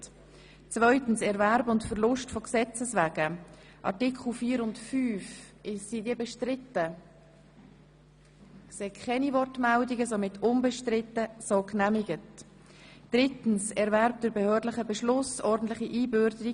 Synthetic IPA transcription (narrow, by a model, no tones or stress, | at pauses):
t͡svœʏtn̩sɛɾvæɾbʊntfɛɾlʊʃtfɔksɛt͡səsvæːɡ̥ə | ʔɑ̰ɾtɪkχl̩fiːəɾʊntfyːf | ɪsid̥iəbɛʃtɾɪtə | kseːkʰχɛnivɔrtmɛldiɡəsomɪtʰʊnbəʃtɾɪtːəsoːknæmiɡət | d̥ɾɪtn̩sɛɾvæɾp̚d̥əɾbɛhøːɾdlɪχəbɛʃlʊsɔɾdən̩t̪lɪχiʔiːbøɾdəɾi